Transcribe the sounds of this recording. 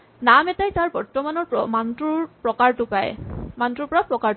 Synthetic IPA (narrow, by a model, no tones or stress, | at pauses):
namɛtajtaɹbɔɹtɔmanɔɹmantuɹpɹɔkaɹtʊpaj̰mantɹuɹpɔɹapɹɔkaɹt